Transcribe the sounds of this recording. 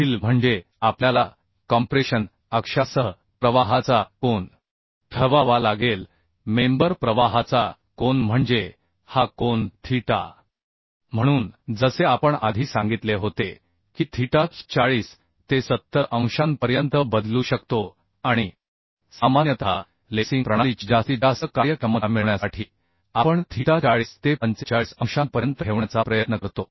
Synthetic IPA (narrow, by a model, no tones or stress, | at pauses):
iːlm̤əɳd͡ʑe | apljala | kɔmpɾeɕən | əkʂasəɦ | pɾəʋaɦat͡sakoɳ | t̪ʰəʋaʋalaɡel | membəɾpɾəʋaɦat͡sa | koɳm̤əɳd͡ze | hakont̪ʰiʈa̰ | m̤əɽ̃uːnd͡zəseapəɳa̰d̪ʱiːsãŋɡit̪leɦot̪e | kiːt̪ʰiʈat̪t͡saɭiːs | t̪esət̪ːəɾʔə̃w̃ɕanpəɾjənt̪əbəd̪luɕəkt̪o | aɽ̃i | samanjət̪ʰa̰ | lesiŋpɾəɽ̃aliːt͡ɕd͡ʑast̪iːd͡zasəkːaɾjəkɾəməmiɭɳjasaʈʰiː | apəɳt̪ʰiʈat͡saɭiːst̪epənt͡set͡ɕaɭisə̃ŋ̃ɕanpəɾjənt̪əɦeʋɳat͡sapɾəjət̪nəkəɾt̪o